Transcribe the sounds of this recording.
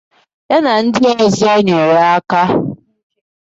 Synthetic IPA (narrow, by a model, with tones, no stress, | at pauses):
ja˦na˨n̩˦dɪ˦e˦ɲe˦zi˦e˦ɲe˨ɾa˦ka˦